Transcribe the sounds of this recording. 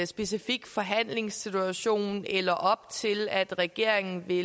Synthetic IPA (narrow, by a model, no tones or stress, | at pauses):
sb̥e̝sifiɡ̥fɒ̽ɦæn̰le̝ŋsit͡sʰuæɕo̝̰ːnelɐʔɒ̽b̥t͡sʰe̝læd̥ʁɛɡ̥e̝ɐ̰eŋn̩ʋe̝